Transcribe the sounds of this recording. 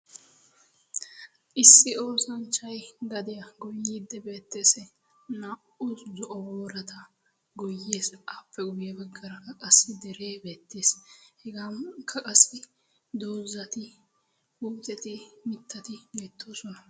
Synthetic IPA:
ʔɪsːɪo̞ːsɐnt͡ʃːɐjɡɐd̪ɪjɐɡɔjːiːd̪ːɛbe̞ːt̪ːeːsɛ | na | ʊszɔʔɔwoːɾɐt̪ʰɐ | ɡɔjːeːsaːpːɛɡʊjɛbɛɡːɐɾɐkʼɐsːɪd̪ɛɾe̞ːbe̞ːt̪ːeːshɛɡamkʰɐkʼɐsːɪ | d̪oːzɐt̪ɪ | huːt̪ʼɛt̪ɪmɪt̪ːɐt̪ɪbe̞ːt̪ːo̞ːsɔnɐ

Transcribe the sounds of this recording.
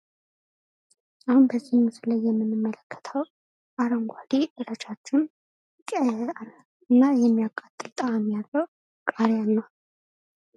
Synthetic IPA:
ʔahunbəzːihmːɨsɨlajːɛmːɨnɨmːələkʰːə̥t̪ʰəw | ʔaɾəŋɡʷaliʔɨɾət͡ʃʰat͡ʃːɪn | kʼa | ɨnːajɛmːijakʼːat̪ʼːɨlt̪ʼaamjalːəw | kʼaɾjanːəw

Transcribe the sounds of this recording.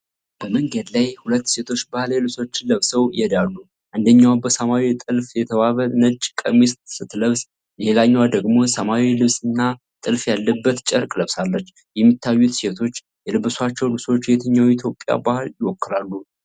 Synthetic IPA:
b̥əməŋɡəd̪lajhulət̪ːse̞t̪ʰo̞t͡ʃːbahɨljɛlɨso̞t͡ʃːɪnləβsəwjɛd̪alːu | ʔand̪əɲːawbəsəmawit̪ʼɨlfjɛt̪ʰəβaβənət͡ʃʼːkʼəmist̪sɨt̪ːləβs | jelaɲːwad̪əɡmo̞səmawilɨβsɨnːa | t̪ʼɨlfjalːəbːət̪t͡ʃʼəɾkʼləβsalːət͡ʃː | jɛmːit̪ʰːajːut̪se̞t̪ʰo̞t͡ʃː | jɛlɨβɨswat͡ʃːɛwlɨso̞t͡ʃːjɛt̪ʰəɲːawit̪ʰjo̞pʼːja̰bahɨljɪwɔkːɨlalːu

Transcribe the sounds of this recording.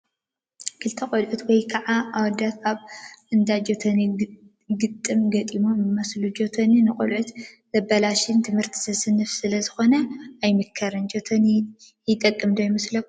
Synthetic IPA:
kʰɨlt̪ʰɐkʼolʕut̪wɔjkʰaʕaʔawɔd̪at̪aβɨnd̪ad͡ʒot̪ʰɐni | ɡɨt̪ʼːɨmɡɐt̪ʼimomɨmɐslud͡ʒot̪ʰɐninɨkʼo̰lʕut̪z̥ɐbɐlaʃɪnt̪ʰɨmhɨɾt̪ʰi̥sɐsɨnɨfsɨlɐzɨxo̞nɐajmɨkʰːɐɾɨnd͡ʒot̪ʰɐni | jɪt̪ʼɐkʼːɨmd̪ojimɐslɐk

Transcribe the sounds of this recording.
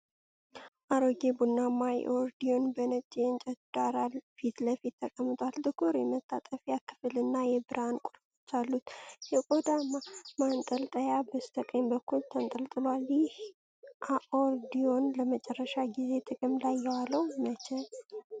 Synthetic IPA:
ʔaɾoɡebunːamajʔoɾd̪ionbənəd͡ʒʼent͡ʃʼɛd̪̥aɾalfit̪ləfit̪ʰːəkʼəmːɨt̪ʼwalt̪ʼɨkʰoɾjɛmət̪ʰʼːat̪ʼəfjakːɨ̥fɨlɨnːajɛbɨɾankʼuɾfo̥t͡ʃːalːut̪jɛkʼod̪amamant̪ʼəlt̪ʼəjabəst̪ʰəkʼəmbəkːult̪ʰənt̪ʼəlt̪ʼɨlwaljɪh | ʔaʔoɾd̪io̞nləmət͡ʃʼɛrːəʃaɡize̞t̪ʰʼɨkʼɨmlajːɛwaləwmət͡ʃɛl

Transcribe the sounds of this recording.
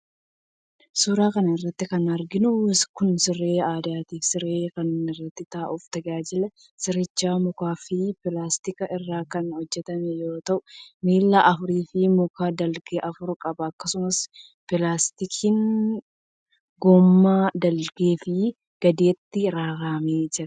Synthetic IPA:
suːɾaːkɐnɐɪrːɐt̪ːɪkɐnɐɾɡɪnʊskʊnsɪrːe̞ːaːd̪aːt̪iːfsɪɾeːkɐnɪrːɐt̪ːɪt̪aːʔʊft̪ɐɡaːd͡ʒɪlɐ | sɪɾɪt͡ʃːaːmʊkaːfɪpɪlaːst̪ɪkɐʔɪrːaːkɐnhɔd͡ʒːɛt̪ɐmɛjo̞ːt̪ɐʔʊmiːlːɐʔɐfʊɾiːfɪmʊkaːd̪ɐlɡeʔɐfʊɾkʼɐbɐːkːɐsʊmɐs | pɪlaːst̪ɪkʰiːn | ɡoːmːaːd̪ɐlɡeːfɪ | ɡ̥ɐd̪eːt̪ːɪɾaːɾaːmeːd͡ʒɪɾɐ

